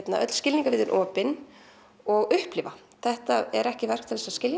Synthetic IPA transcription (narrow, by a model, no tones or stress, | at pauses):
t̪na̰ʔœt̪l̥scɪliŋkavɪːðʏnʔɔːpɪn | ɔɣʏhplɪːva | θɛht̪aɛɾɛhcɪvɛr̥kt̪ʰɪlɛsascɪlj